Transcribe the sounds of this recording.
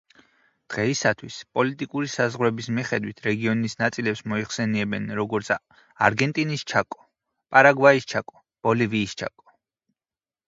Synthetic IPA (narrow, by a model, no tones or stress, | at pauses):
d̪̥ʁɛisat̪ʰwispʼɔlit̪ʼikʼuɾisazʁɾɛbismiχɛd̪wit̪ʰɾɛɡiɔnisnat̪sʼilɛpsmɔiχsɛniɛbɛnɾɔɡɔɾt̪sʰ | aɾɡɛnt̪ʼinist͡ʃʰakʼɔ̥ | pʼaɾaɡwaist͡ʃʰakʼɔ̥ | b̥ɔliviːst͡ʃʰa̰kʼɔ̥